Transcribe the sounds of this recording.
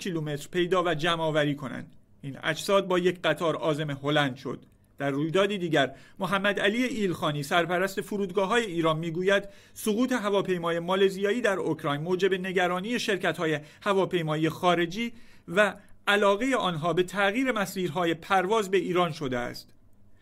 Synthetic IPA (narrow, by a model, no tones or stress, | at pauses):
kʰiːluːme̞t̪ɾ̥pʰe̞jd̪ɒːvæd͡ʒæmɒːvæɾiːkʰo̞næ̰nd̪̥ | inæ̰d͡ʒsɒːd̪̚bɒːjecʰɢæt̪ʰɒːɾɒːze̞me̞ho̞lænd̪̥ʃo̞̰d̪̥ | d̪̥ærːuːjd̪ɒːd̪iːd̪iːɟæɾmoɦæmːæd̪æliːjeiːlxɒːniːsæɾpæɾæst̪e̞fuɾuːd̪ɡɒːɦɒːje̞iːɾɒːnmiːɡuːjæd̪ | soɣuːt̪ʰe̞ɦævɒːpʰe̞jmɒːjemɒːlezijɒːiːd̪æɾokʰɾɒːjnmoːd͡ʒe̞be̞ne̞ɟæɾɒːniːje̞ʃe̞ɾcæt̪hɒːjehævɒːpʰe̞jmɒːijexɒːɾe̞d͡ʒiːvæælɒːɣe̞jeʔɒːnɦɒːbe̞t̪ʰæɣiːɾe̞mæsiːɾɦɒːje̞pʰæɾvɒːzbe̞iːɾɒːnʃo̞d̪eæ̰st̪